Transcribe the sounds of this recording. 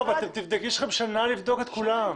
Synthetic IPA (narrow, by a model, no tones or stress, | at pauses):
vlat̪emt̪ivd̪ekiʃlχebʃanalivd̪o̞ket̪kulam